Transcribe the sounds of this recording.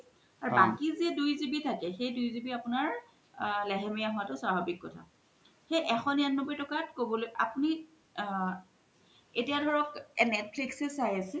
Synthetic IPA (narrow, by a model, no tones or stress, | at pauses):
aɹbaŋkiziɛdujzibitʰakɛxejdujzibiapʊnaɹ | lɛɦɛmijaɦʊatʊsabʱabikːɔtʰa̰ | xejʔɛxɔnianːɔbɔjtɔkatkobɔlojʔa̰puni | etiadʱɔɹɔkɛnɛt̚pʰliksɛsajasɛ